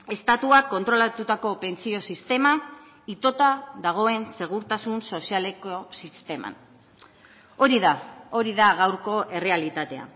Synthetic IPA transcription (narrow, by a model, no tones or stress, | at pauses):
e̞st̪at̪uakːo̞nt̪ɾo̞lat̪ut̪ako̞pe̞nt͡sio̞sist̪e̞ma | it̪o̞t̪aðaɣ̞o̞e̞nse̞ɣ̞uɾt̪asunso̞siale̞ko̞sist̪e̞ma̰n | oɾiðao̞ɾiðaɣawɾko̞ʔe̞re̞alit̪at̪e̞a̰